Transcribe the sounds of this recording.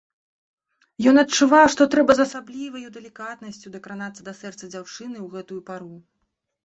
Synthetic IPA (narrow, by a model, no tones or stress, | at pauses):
jɔnɐtt͡ʂuvawʂt̪ɔt̪ɾɛbɐzɐsablʲivɐjud̪ɛlʲikat̪nɐsʲt͡sʲud̪ɐkɾanat̪sːɐd̪ɐsɛrt̪sɐd͡zʲawt͡ʂɨnɨwɣɛt̪ujupaɾu